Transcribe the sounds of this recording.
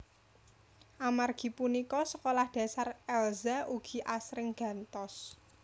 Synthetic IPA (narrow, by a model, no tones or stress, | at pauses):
ʔamarɡ̥i̤punikɔsəkolahd̥ä̤sarɛlzauɡ̥i̤ʔasɾɪŋɡ̥ä̤nt̪ɔs